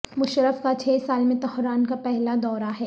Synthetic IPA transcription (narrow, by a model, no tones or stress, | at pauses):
mʊʃɾəfkat͡ʃʰeːsaːlmẽt̪ɔhɾaːnkapɛɦlad̪ɔːɾaɦɛː